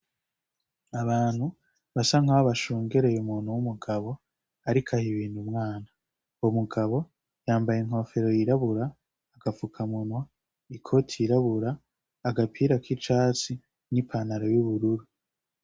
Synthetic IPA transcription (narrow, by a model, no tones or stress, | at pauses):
aβaːn̥hu | βasaŋaβaʃuːŋɡe̞ɾejumuːn̥huwumuɡaβo̞ | aɾikʰahiβiːn̥humŋaːna | omuɡaβo̞ | jaːmbajeŋ̥ho̞fe̞ɾo̞jiɾaβuɾaː | ɡ̥afukʰamunwa | ikʰo̞tʰiːɾaβuɾaː | ɡapʰiːɾakit͡ʃaːt͡si | nipʰanaɾojuβuɾuɾu